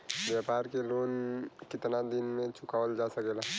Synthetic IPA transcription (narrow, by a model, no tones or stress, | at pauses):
bjapaɾkelonkɪt̪nad̪inmẽt͡ʃʰukaʋəld͡ʒasəkɛla